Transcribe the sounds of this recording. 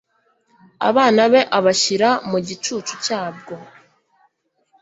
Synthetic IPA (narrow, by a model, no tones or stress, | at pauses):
a̰βaːnaβe̞ʔaβaʃiɾamuɟit͡ʃuːt͡ʃucaːb̚ɡo̞